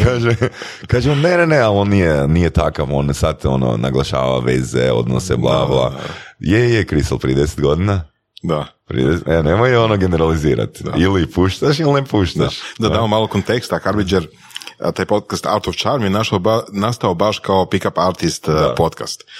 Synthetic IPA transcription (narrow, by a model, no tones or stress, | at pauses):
kaːʒe | kaːʒemonenenealonnijenijet̪akaʋo̞nsat̪o̞̰no̰na̰ɡlˠaʃa̰ːʋa̰ʋḛzḛo̞̰d̪no̰sḛblˠa̰ːʋlˠa̰jejekɾisalˠt̪ɾid̪ese̥t̪ɡo̞d̪ina | d̪ap̪ɾḭd̪esenemojo̞noɡeneɾaliziːɾa̰t̪ilipuʃt̪aʃilˠnepuʃt̪aʃd̪ad̪aomalˠokont̪ekst̪axaɾbid͡ʒeɾ | t̪aːjpot̪̚kast̪a̰ɾt̪oft͡ʃaɾmijenaʃaanast̪aobaʃkaopikapaɾt̪ist̪pot̪kast̪